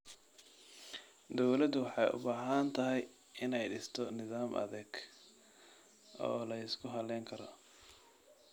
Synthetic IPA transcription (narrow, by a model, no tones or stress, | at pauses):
d̪ɔwlɐd̪ʊwɑħɑjʊ̰baːɦɐnt̪ʰɐɦɛj | ɪnɛjɖɪst̪ʰɔnɪðaːmʔɐ̰ðɛɡ | ɔ̰ːlɐɪskʰʊɦɐlɛːŋkʰɐɾɔ